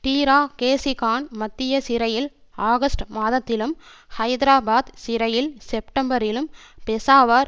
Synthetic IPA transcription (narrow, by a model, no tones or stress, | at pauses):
ʈiːɾaːkeːsɪkaːɳmɐt̪ːɪjɐsɪɾɐjɪl | aːɣɐsʈmaːðɐt̪ːɪlɯm | hɐɪd̪ɾaːbaːd̪sɪɾɐjɪlsɛp̚ʈɐmbɐɾɪlɯm | pɛsaːʋaːɾ